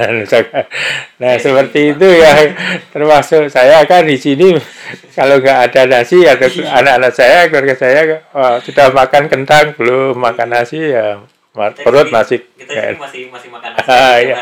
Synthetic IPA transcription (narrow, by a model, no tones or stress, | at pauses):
nusakanahsəpərt̪iːt̪̬ujat̪ərmasʊʔsajakandisinikaloŋɡaʔːdanasɪhad̪akanakanaʔsajakəwarɡasajakidamakankənt̪aŋpəlumakanasɪja | mapəɾʊt̪̚masɪk̚ka̰ | aja